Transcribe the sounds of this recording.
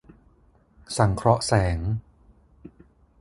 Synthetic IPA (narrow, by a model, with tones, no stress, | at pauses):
sa˨˩˦ŋkʰɾɔ˦˥ʔsɛː˩˦ŋ